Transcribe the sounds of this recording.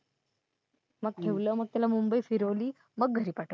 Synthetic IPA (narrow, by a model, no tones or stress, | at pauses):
məɡ̚kʰeʋləːməɡ̚t̪jalamumbəifiɾəʋliː | məɡ̚ɡʱəɾiːpaʈʰ